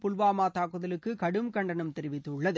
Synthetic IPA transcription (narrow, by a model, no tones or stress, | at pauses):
pʊlʋaːmaːt̪aːkɯðɐlɯkːɯkɐɽɯmkɐɳɖɐnɯmt̪ɛɾɪʋɪt̪ːɯʊɭːɐðɯ